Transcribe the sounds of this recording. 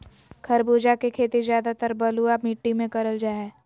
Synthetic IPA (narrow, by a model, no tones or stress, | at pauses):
kʰɐɾbuːd͡ʒakekʰeːt̪izjaːd̪at̪əɾbɐluamiːʈːimẽkɐɾəld͡ʒaːɛː